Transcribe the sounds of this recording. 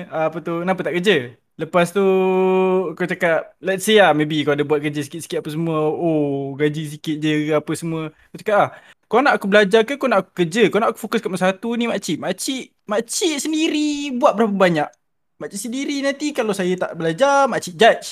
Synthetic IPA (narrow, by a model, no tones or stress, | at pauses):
aːpət̪unap̬ət̪aʔkəd͡ʒə | ləpast̪u | kawt͡ʃakat̪̚lɛt̪siamebikawadabuat̪̚kəd͡ʒəsi̥kɪt̪̚si̥kɪt̪̚apəsəmuəoɡad͡ʒis̬ikɪt̪̚d͡ʒəapəsəmuə | kat͡ʃḁkat̪ah | konaʔakubəlad͡ʒakəkonaʔku̥kəd͡ʒəkonaʔaku̥fokʊskaʔməsat̪unimat͡ʃiʔmat͡ʃiʔ | mat͡ʃiʔsəndiɾibuat̪̚bəɾap̬əbaɲaʔ | maʔt͡ʃiʔsəndiɾinant̪ikalawsajət̪a̰ʔbəlad͡ʒamat͡ʃiʔ̚d͡ʒat͡ʃ